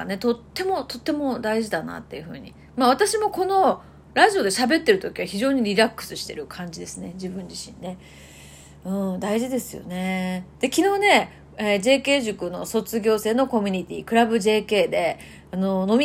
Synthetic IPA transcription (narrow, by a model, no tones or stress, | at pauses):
ne̞t̪ot̪ːe̞mo̞t̪o̞t̪ːe̞mo̞d̪aiʑid̪ana̰t̪ːe̞jɯ̟ɸɯ̟̰ːɲ̟ḭ | maβ̞at̪aɕimo̞ko̞no̞ | ɾaʑio̞d̪e̞ɕabe̞t̪ːe̞ɾɯ̟t̪o̞kʲiβaçiʑo̞ːɲ̟iɾʲiɾakːɯ̟̥sɨ̥ɕi̥t̪e̞̰ɾɯ̟kʰãɲ̟d͡ʑid̪e̞sɨne̞d͡ʑibɯ̟̃ɲd͡ʑiɕḭ̃nːe̞ | ɯ̟̃ːd̪aiʑid̪e̞sɨjo̞̰ne̞d̪̥e̞kʲino̞ːne̞ | ed͡ʑe̞ːke̞ːʑɨkɯ̟no̞̰so̞t͡sɨɡʲo̞ːse̞ːno̞ko̞mʲiɲ̟it̪ʲḭːkɯ̟ɾabɯ̟ʑe̞ːke̞ːd̪e̞ | ano̞no̞mʲ